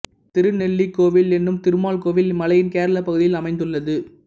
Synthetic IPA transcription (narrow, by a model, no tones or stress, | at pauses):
t̪ɪɾɯnɛɭːikoːʋɪlɛnːɯmt̪ɪɾɯmaːlkoːʋɪlmɐlɐjɪnkeːɾɐlɐpːɐɣɯðɪjɪlɐmɐɪnd̪ɯɭːɐðɯ